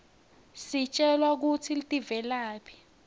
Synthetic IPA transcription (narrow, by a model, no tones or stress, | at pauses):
sit͡ʃʼɛlwak̬utʰilitʼivɛlaːpʰi̥